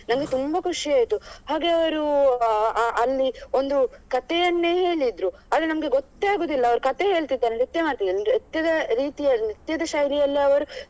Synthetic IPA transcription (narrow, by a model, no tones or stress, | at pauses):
nɐmɐɡe̞t̪umbɐkʰuʂiaːjt̪uhaːɡe̞ɐʋɐɾu | ʔɐlːio̞nd̪ukɐt̪ejɐnːe̞ːɦe̞ːɭid̪ɾu | aːd̪ɾenɐmɐɡe̞ɡot̪ːaːɡoːd̪ilːɐːʋɐɾukɐt̪eɦeːɭt̪id̪ːaːnelet̪ːemaːɽt̪id̪ːaet̪ːjɐd̪ɐɾiːt̪ijɐnit̪jɐd̪ɐʃaːjɾijɐlːiɐʋɐɾu